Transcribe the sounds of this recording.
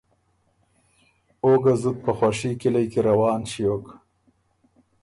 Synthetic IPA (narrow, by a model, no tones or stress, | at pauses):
oɡazut̪̚pəxwaʂikɪlajkeɾawɑːnʃijok